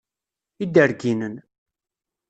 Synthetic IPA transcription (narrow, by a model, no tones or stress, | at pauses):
id̪əɾɡinən